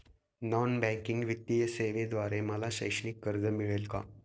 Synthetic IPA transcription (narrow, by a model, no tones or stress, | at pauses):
nɔnbɛ̃ŋkiŋɡʋit̪ːijəseʋed̪ʋaɾeməlaɕə̰jʂɳikːəɾd͡zəmiɭelka̰